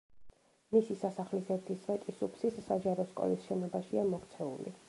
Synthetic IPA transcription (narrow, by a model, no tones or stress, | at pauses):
misisasaχlisɛɾt̪ʰisvɛt͡ʃ̪ʼisupʰsisːad͡ʒaɾɔskʼɔ̰lisʃɛnɔbaʃiamɔɾt̪sʰɛṵlḭ